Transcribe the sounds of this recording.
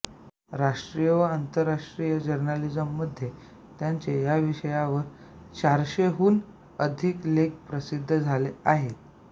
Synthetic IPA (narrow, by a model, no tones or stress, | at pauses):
ɾaʂʈɾijəʋəant̪əɾːaʂʈɾijəd͡ʑəɾnalid͡zəmːəd̪ʱːje | t̪jaɲt͡sejaʋiɕəjaʋəɾ | t͡ɕaɾɕeɦuːn | əd̪ʱikleɡ̚pɾəsid̪ʱːəd͡zʱaleaɦet̪